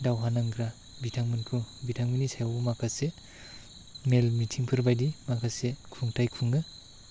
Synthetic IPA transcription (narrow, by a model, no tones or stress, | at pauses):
dawɦanaŋɡɾa | bitʰaŋmɯnkʰubitʰaŋminisajawmakʰase | melmitʰiŋpʰɯɾbajdimakʰasekʰuŋtʰajkʰuŋɯ